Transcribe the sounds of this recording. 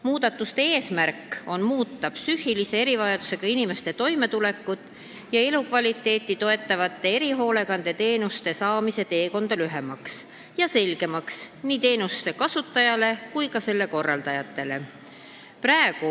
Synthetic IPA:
muːd̪̥ɑt̪ːˑust̪e̞e̞ːsmæɾkːˑo̞nmuːt̪ːɑpsyhilise̞e̞ɾivɑjɑd̪use̞ɡ̥ɑinime̞st̪e̞t̪o̞jme̞t̪ule̞kːud̪̥ | jɑe̞lukvɑlʲit̪ːˑe̞ːt̪ːˑit̪o̞e̞t̪ːˑɑvɑt̪ˑːe̞e̞ɾiɦo̞ːle̞ɡɑnd̪̥e̞t̪e̞ːnust̪e̞sɑːmise̞t̪e̞ːko̞nd̪̥ɑlyɦemɑks | jɑse̞lɡ̥e̞mɑksniːt̪e̞ːnusːe̞kɑsut̪ˑːɑjɑle̞kujkɑse̞lːe̞ko̞rːɑld̪ɑjɑt̪ːe̞le̞̰ | pɾɑeɡ̥u

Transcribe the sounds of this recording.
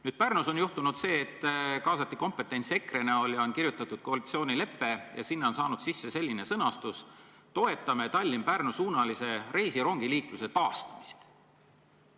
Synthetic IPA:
nyːd̥̪̚pærnuso̞njuht̪unud̪̥se̞ːt̪ːˑkɑːsɑt̪ːˑiko̞mpe̞t̪ːˑe̞nʲt̪se̞kre̞neo̞lʲjɑo̞nkirjut̪ːˑɑt̪ːˑud̪̥ko̞ɑlit̪sio̞ːnile̞pːe̞jɑ̰sinːeo̞nsɑːnud̪̥sisːese̞lʲːine̞sɤnɑst̪us | t̪o̞e̞t̪ːˑɑmet̪ɑlʲːimpærnusuːnɑlise̞ɾe̞jsiɾo̞ŋɡ̥iliːkluse̞t̪ɑːst̪ɑmi̥st̪

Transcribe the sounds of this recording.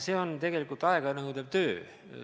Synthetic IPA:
seont̪e̞ɡe̞likˑult̪ɑeɡ̥ɑnɑkut̪eb̥̚t̪øː

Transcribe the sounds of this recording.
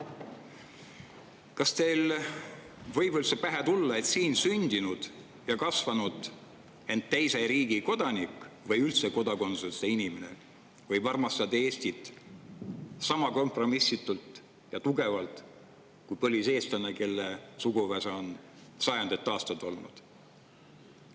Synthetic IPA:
kɑst̪e̞jl | vɤ̞jb̥olsepæɦet̪ulːɑe̞t̪siːnsynʲd̪̥inud̪̥ | jɑkɑsvɑnud̪̥ | e̞nt̪t̪ːejseɾiːɡ̥iko̞d̪̥ɑnikːˑvɤjylt̪se̞ko̞d̪ɑko̞nsunseinʲimene̞̰ | vɤjvɑrmɑst̪ɑd̪eːsʲt̪it̪ːˑ | sɑmɑko̞mpro̞misːit̪ːˑult̪ˑ | jɑt̪uɡe̞vɑlt̪ˑ | kujpɤlʲise̞ːst̪ɑnːeke̞lːesuɡuvæseon | sɑjɑnd̪et̪ːɑːst̪ɑd̪o̞lnṵd̪̥

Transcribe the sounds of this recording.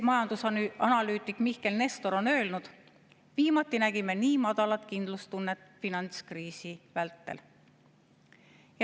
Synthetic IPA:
mɑjɑnd̪usɑnɑlyːt̪ːˑikˑmihke̞lne̞st̪o̞ɾo̞nø̞ːlnud̪̥ | viːmɑt̪ːˑinæɡ̥ime̞niːmɑd̪̥ɑlɑt̪kind̪̥lust̪unːet̪ːˑfinɑnt̪skriːsivælt̪ːḛl | j

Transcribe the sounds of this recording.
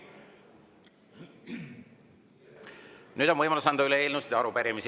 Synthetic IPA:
nyːd̪o̞nvɤjmɑlusɑnd̪ɑyleeːlnust̪jɑɑɾupæɾimis

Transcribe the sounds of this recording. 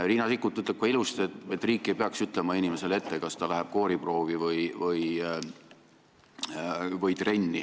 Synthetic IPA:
riːnɑsikːˑut̪ːyt̪ːˑlep̚kɑilust̪et̪et̪ːˑriːkˑːe̞jpeɑksyt̪ˑlemɑinʲime̞se̞le̞t̪ːekɑst̪ɑlæɦɛb̥̚ko̞ːɾipro̞ːvivɤjvɤj | vɤjt̪re̞nʲːi

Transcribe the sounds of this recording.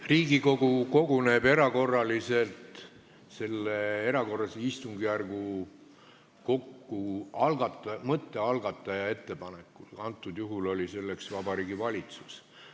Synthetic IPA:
riːɡiko̞ɡ̥uko̞ɡ̥une̞ːb̥e̞ɾɑko̞rːɑlise̞lt̪ | se̞lːee̞ɾɑko̞rːɑseist̪uŋɡijærɡ̥u | ko̞kːuɑlɡ̥ɑt̪ːˑɑmɤt̪ːe̞ɑlɡ̥ɑt̪ːˑɑjɑe̞t̪ːe̞pɑnekːˑulɑnt̪ːˑud̪̥juɦulo̞lʲise̞lːe̞ksvɑbɑɾiːɡ̥ivɑlʲit̪su̥s

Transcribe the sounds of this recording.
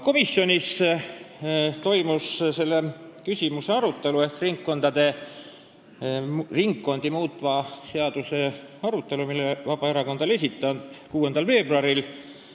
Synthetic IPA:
ko̞misːjo̞nʲis | t̪o̞jmusse̞lːekysʲimuse̞ɑɾut̪ːˑe̞lue̞hk̪riŋkːo̞nd̪̥ɑd̪̥e̞ | riŋkːo̞nd̪̥imuːt̪ːˑvɑseɑd̪̥use̞ | ɑɾut̪ːˑe̞lumilːevɑb̥ɑeɾɑko̞nd̪ɑle̞s̬ʲit̪ːˑɑnd̪̥kuːe̞nd̪ɑlve̞ːb̥ruɑɾil

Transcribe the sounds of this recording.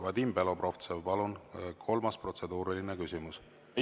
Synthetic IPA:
vɑd̪imbelo̞pro̞ft̪sevpɑlunkʰo̞lmɑspro̞t̪se̞d̪̥uːɾilinekysʲimus

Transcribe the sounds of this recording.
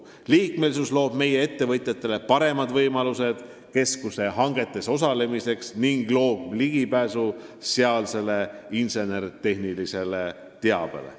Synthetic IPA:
liːk̚me̞lisuslo̞ːb̥me̞je̞e̞t̪ːe̞vɤt̪ʲˑjɑt̪ːˑe̞le̞pɑɾe̞mɑd̪vɤjmɑluse̞d̪̥ | ke̞skuse̞ɦɑŋɡe̞t̪ːˑe̞so̞s̬ɑle̞mise̞ksniŋɡ̥lo̞ːb̥̚liɡipæːsuseɑlse̞le̞inse̞ne̞rt̪e̞ɦnilise̞le̞ | t̪e̞ɑb̥e̞̰lḛ

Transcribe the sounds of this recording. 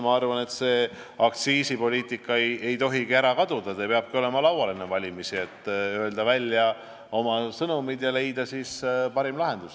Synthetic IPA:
mɑɑrvɑne̞t̪se̞ː | ɑk̚t̪siːsipo̞lʲiːt̪ˑikːˑɑeje̞jt̪o̞ɦiɡiæɾɑkɑd̪̥ud̪̥ɑd̪ɑepeɑb̥̚kio̞le̞mɑlɑwɑlenːevɑlʲimisie̞t̪ːˑøld̪̥ɑvælʲjɑ | o̞mɑsɤnumid̪̥jɑle̞jd̪̥ɑsispɑɾimlɑɦe̞nd̪̥us

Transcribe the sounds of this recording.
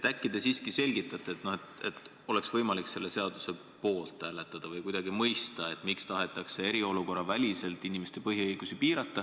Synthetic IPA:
t̪ækːid̪esiːskise̞lʲɡit̪ːˑɑt̪ːˑeet̪no̞et̪et̪ˑ | ole̞ksvɤjmɑlikse̞lːe̞se̞ɑd̪̥use̞ | po̞ːlt̪æːle̞t̪ːˑɑd̪̥ɑvɯjkujd̪̥ɑɡimɤjst̪ɑe̞t̪mikst̪ɑɦe̞t̪ːˑɑkse̞e̞ɾio̞luko̞rːɑvælʲise̞lt̪ːˑinimest̪epɤɦiɤjɡ̥usipiːɾɑt̪ːˑɑ

